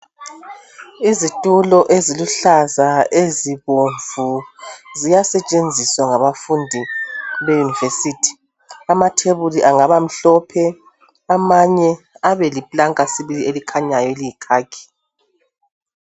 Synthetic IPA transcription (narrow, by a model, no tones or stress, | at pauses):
izitʼulɔʔeziluɬazaeziβoɱvuzijasɛt͡ʃʼend͡zʱiswaŋaβafundʱiβejunivesiːtʰi̥ | amatʰeβuliʔaŋaβam̩ɬɔpʰɛ | amaɲɛ | aβɛlipʼlaŋkʼasiβilielikʰaɲajɔlijikʰaːkʰʼi̥